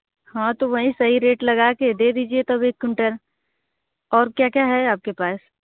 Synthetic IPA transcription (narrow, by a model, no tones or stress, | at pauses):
hãt̪oʋɐɦĩsɐɦiɾeːʈlɐɡaked̪ed̪iːd͡ʒiet̪ɐbeːkːʊ̃ɳʈəɾ | ɔːɾkjaːkjaɦɛaːp̚kepaːs